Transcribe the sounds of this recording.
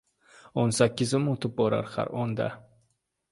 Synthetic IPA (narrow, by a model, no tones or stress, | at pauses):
onsakʲːɪzɪmot̪ʰɪp̚bɒɾa̰ɾχa̰ɾɒnd̪a̰